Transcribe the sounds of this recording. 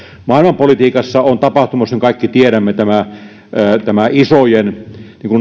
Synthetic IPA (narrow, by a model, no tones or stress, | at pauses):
mɑˑilmɑmpolit̪iːkɑsːɑont̪ɑpɑht̪umɑsiŋkɑˑikːit̪ieɾæmːet̪æmæ | t̪æmæisojenniːŋkun